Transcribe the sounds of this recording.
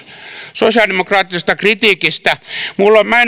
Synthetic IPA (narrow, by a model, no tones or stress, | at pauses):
sosiɑldemokrɑːt̪ːisest̪ɑkrit̪iːkist̪æmulːommæi